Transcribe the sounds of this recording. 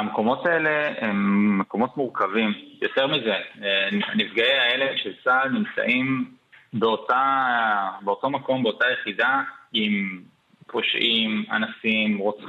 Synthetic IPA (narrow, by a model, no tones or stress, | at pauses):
ameko̞mo̞tae̞le̞emːeko̞mo̞tmuʁkavimjoteʁmize̞ | nifɡaeaeleʃelsalnimt͡sa̰ʔim | beota | beo̞to̞mako̞mbe̞o̞tajeχidaim | po̞ʃʔima̰nasimʁot͡s